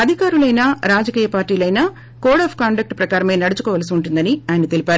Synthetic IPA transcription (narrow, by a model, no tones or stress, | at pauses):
ɐd̪ʱikaːɾulɐjnaːɾaːd͡ʒɐkiːjɐpaːɾʈːiːlɐjnɐ | koːɽaːpʰkaːɳɖɐk̚ʈpɾɐkaːɾɐme̞ːnɐɽut͡ʃukɔːʋɐlɐsiuɳʈund̪ɐniaːjɐnɐt̪elipaːɾu